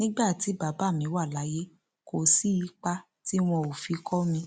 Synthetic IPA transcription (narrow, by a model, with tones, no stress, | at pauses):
nĩ˦ɡ͡ba˦˨ti˨˦ba˨˦ba˦˨mĩ˨˧˦wa˦˨la˨˦je˦ | ko˨si˦i˦k͡pa˦ | ti˦w̃ɔ̃˧o˨fi˨˧˦kʰɔ˦mĩ˧